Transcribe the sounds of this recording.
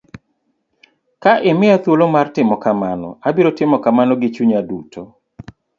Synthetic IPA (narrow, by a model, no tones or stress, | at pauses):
kaʔɪmɪat̪wolomartɪmɔkamanɔ̰abiɾotɪmɔkamanɔɡɪt͡ʃuɲaduto